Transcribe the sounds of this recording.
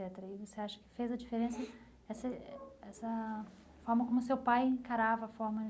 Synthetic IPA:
ɛt̪eɾɐɪvoseaʃɐ̥kɪ̥fejzɐd͡ʒifeɾẽsɐ | ɛsɐɛsɐ | fɔɾmɐkõmʊsewpajẽkaɾavɐːfɔɾmɐ

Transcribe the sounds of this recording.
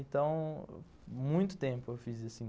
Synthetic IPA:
ẽnt̪ɐ̃w̃ | mũj̃t̪ʊ̥t̪ẽmpʊewfizɐsĩ

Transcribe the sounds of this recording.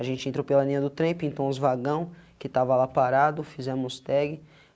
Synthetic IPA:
aʒẽnt͡ʃɪẽnt̪ɾopelɐlĩɲɐd̪ʊt̪ɾẽpĩnt̪õw̃ʊzvaɡɐ̃w̃kɪt̪avɐlapaɾad̪ʊfizɛ̃mʊst̪ɛɡɪ

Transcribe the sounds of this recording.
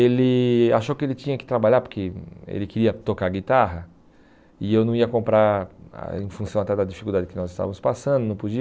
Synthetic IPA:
elɪaʃowkɪelɪt͡ʃĩɲɐkɪ̥t̪ɾabaʎaɾpoɾkeḛlɪkɪɾiɐt̪okaɾɡit̪aɦɐ | ɪewnɐ̃w̃iɐkõmpɾaɾ̰ | ẽj̃fũsɐ̃w̃at̪ɛd̪ɐd͡ʒifikuld̪ad͡ʒɪkɪnɔzɪst̪a̰vɐ̃mʊspasɐ̃nd̪ʊnɐ̃w̃pod͡ʒi

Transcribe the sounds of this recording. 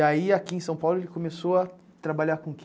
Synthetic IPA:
aiakiẽsɐ̃w̃pawlʊelɪkomesoa | t̪ɾabaʎakõk

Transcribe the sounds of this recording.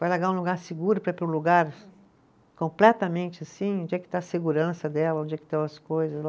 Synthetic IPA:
vajlaɡaɾũluɡaɾseɡuɾʊpɾɐpɾʊ̃luɡaɾ | kõmplɛt̪ɐmẽnt͡ʃɪasĩõd͡ʒiɐkɪ̥t̪ãɐseɡuɾɐ̃sɐd̪ɛlɐõd͡ʒiɐkɪt̪ẽɐskojzɐsl

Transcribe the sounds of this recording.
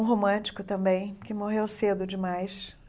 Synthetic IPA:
ũɦomɐ̃t͡ʃi̥kʊt̪ɐ̃mbẽj̃kɪmoɦewsed̪ʊd͡ʒɪmajs

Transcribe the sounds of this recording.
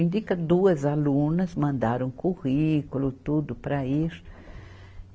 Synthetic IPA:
ĩnd̪ikɐd̪uɐzalunɐzmɐ̃nd̪aɾũkuʁikulʊt̪ud̪ʊpɾɐiʃ

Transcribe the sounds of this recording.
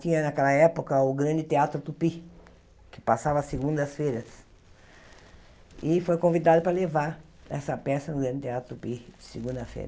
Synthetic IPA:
t͡ʃĩɲɐnakɛlɐɛpʊkɐʊɡɾɐ̃nd͡ʒ̪ɪt̪eat̪ɾʊt̪upi | kɪ̥pasavɐseɡũnd̪ɐsfeɾɐs | ɪfojkõvid̪ad̪ʊpɾɐlevaɾ | ɛ̰sɐpɛsɐnʊɡɾɐ̃nd͡ʒɪt̪eat̪ɾʊt̪upid͡ʒɪsɪɡũd̪ɐfḛjɾɐ

